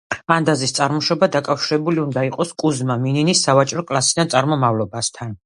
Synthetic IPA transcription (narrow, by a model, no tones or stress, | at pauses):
and̪azist̪sʼaɾmɔʃɔbad̪akʼafʃiɾɛbuliund̪aiqʼɔskʼuzmamininisːavat͡ʃʼɾɔkʼlˠasid̪ant̪sʼaɾmɔmavlɔbast̪ʰan